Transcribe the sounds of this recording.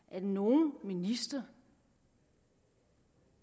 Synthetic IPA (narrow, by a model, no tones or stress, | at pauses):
ʔædno̝ːn̩minisd̥ɐ